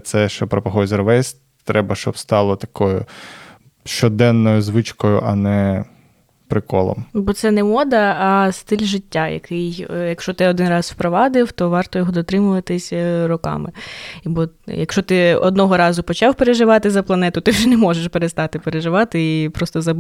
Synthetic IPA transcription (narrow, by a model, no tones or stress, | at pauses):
t̪sɛʃt͡ʃɔpɾɔpɐɦɔjzʲrʋɛsʲ | t̪ɾʔɛbɐʃt͡ʃɔbst̪ɑlˠɔt̪ɐkʰɔjʊ̰ | ʃt͡ʃɔd̪ɛnːɔjʊzʋɪt͡ʃkɔjʊ̰ʔɐnɛ | pɾɪkɔ̰lˠɔ̰mbɔt̪sɛnɛmɔd̪ɐːst̪ɪlʲʒɪtʲːajɐ̰kʰɪjjɐkʃɔt̪ɪɔd̪ɪnrɑswpɾɔʋɑd̪ɪwt̪ɔʋɑrt̪ɔjɔɦɔd̪ɔt̪ɾɪmʊʋɐt̪ɪsʲrɔkɑ̰mɪibɔjɐkʃɔt̪ɪɔ̰d̪nɔɦɔɾɑzʊpɔt͡ʃɑwpeɾeʒɪʋɑt̪ɪzɐplˠɐnɛt̪ʊt̪ɪwʒɛnɛmɔʒeʃpeɾest̪ɑt̪ɪpeɾeʒɪʋɑt̪ɪipɾɔst̪ɔzɐ